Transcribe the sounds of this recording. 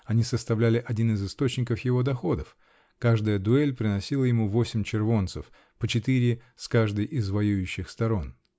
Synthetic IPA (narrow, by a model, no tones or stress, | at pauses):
ɐnʲisəst̪ɐvlʲælʲɪʔɐdʲinɨzɨst̪o̞t͡ɕnʲɪkəfjɪvo̞d̪ɐxo̞d̪əf | kaʐd̪əjəd̪ʊɛlʲpɾʲɪnɐsʲilˠəjɪmuvo̞sʲɪmʲt͡ɕɪrvo̞nt̪səf | pət͡ɕɪt̪ɨɾʲɪ | skaʐd̪ɨjʔɪzvɐjujʉɕːɪxst̪ɐɾo̞n